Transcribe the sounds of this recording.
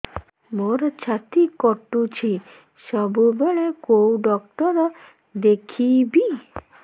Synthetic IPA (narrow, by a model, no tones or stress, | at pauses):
moɾt͡ɕʰat̪ikɔʈːut͡ɕʰi | ʃɔbubeɭekowɖɔkʈɔɾ | d̪ekʰibi